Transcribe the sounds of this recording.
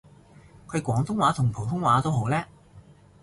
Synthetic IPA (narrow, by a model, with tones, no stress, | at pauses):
kʰɵ˨˧ɥkʷɔː˨˥ŋt̪ʰʊ˥ŋwaː˨˥t̪ʰʊ˨˩ŋpʰo˨˩wt̪ʰʊ˥ŋwaː˨˥t̪o˥wɦo˨˥wlɛː˥